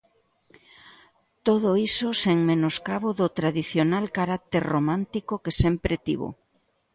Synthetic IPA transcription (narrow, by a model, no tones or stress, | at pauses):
t̪oð̞oisoseŋmenoskaβoðot̪ɾaðiθjonalkaɾak̚t̪eɾromãnt̪ikokesempɾet̪ḭβo̰